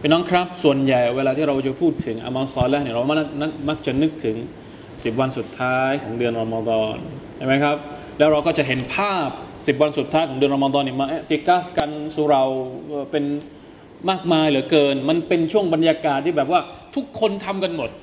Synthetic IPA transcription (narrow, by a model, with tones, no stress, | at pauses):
aː˧˩nɔː˦˥ŋkʰɾa˦˥p̚su˨˩ənja˨˩jweː˧laː˧iː˥˩ɾa˧wt͡ɕa˨˩pʰuː˥˩t̪ʰːɯ˩˦ŋʔa̰˧maː˧nsɔː˧lɛː˦˥ni˥˩ɾa˧˩˧ma˦˥˩k̚na˦˥˩k̚ma˦˥˩k̚t͡ɕa˨˩nɯ˦˥k̚t̪ʰɯ˩˦ŋ | si˨˩p̚wa˧nsu˨˩t̪ʰːaː˦˥jkʰɔː˩˦ŋdɯ˧ənɾa˧ma˧d̪ɔː˧n | t͡ɕa˥˩jma˦˥jkʰɾa˦˥p̚ | lɛː˦˥wɾa˧wkɔː˥˩t͡ɕa˨˩ʔɦe˩˦npʰaː˥˩p̚si˨˩p̚wa˧nsu˨˩t̪ʰːaː˦˥jkʰɔː˩˦ŋdɯ˧ənɾa˧ma˧d̪ɔː˧nːiː˥˩ma˧ʔt̪iː˧kaː˦˥˩fka˧nsu˨˦ɾa˧˩wʔəː˨˩pe˧n | maː˥˩k̚maː˧jlɯː˩˦kɤː˧nma˧npe˧nt͡ɕʰu˥˩əŋba˧njaː˧kaː˨˩t̪ʰːiː˥˩bɛː˨˩p̚waː˥˩t̪ʰu˦˥kʰːo˧nt̪ʰa˧mka˧nmo˨˩t̪̚